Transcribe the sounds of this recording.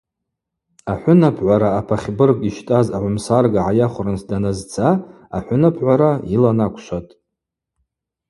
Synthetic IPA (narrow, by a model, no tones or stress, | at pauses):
aħʷʊnapʰʕʷaɾaːpʰaχʲbɨrkʼiʃtʼazaʕʷʊmsarɡaʕajaχʷʊrɨnsʰdanazt͡sʰa | a̰ħʷʊnapʰʕʷaɾailanakʷʰʃʷatʼ